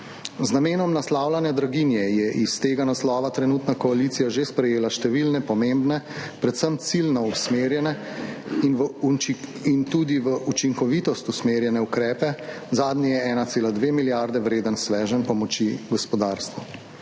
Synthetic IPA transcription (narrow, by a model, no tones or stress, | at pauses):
znameːnɔmnaslaːwlanjad̪ɾaɡinjɛjɛʔist̪eːɡanaslɔːʋat̪ɾɛnuːt̪nakɔaliːt̪sijaʒespɾɛjeːlaʃt̪ɛʋilnɛpɔmembnɛpɾɛt̪səmt̪silnɔusmeːɾjɛnɛ | n | int̪uːd̪iʋəʔut͡ʃiŋkɔʋit̪ɔst̪usmeːɾjɛnɛukɾɛːpɛ | zaːd̪nijɛɛːnat̪seːlad̪ʋeːmiljaɾd̪ɛʋɾeːd̪ənsʋɛːʒənpɔmɔt͡ʃiɡɔspɔd̪aːɾst̪ʋu